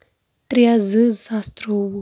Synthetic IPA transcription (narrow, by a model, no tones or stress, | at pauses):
t̪ʼɾijazɨzast̪ʼɾowu